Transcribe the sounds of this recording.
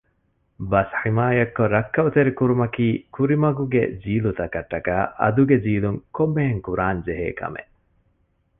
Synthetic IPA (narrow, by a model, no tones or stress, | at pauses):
bɐsħimaːjɐkːoɾɐkːɐut̪eɾikuɾumɐkiːkuɾimɐɡuɡḛd͡ʒiːlut̪ɐkɐʈːɐka̰ːʔɐ̰d̪uɡed͡ʒiːluŋkomːeɦeŋkuɾaːnd͡ʒeɦḛːkɐ̰mḛʔ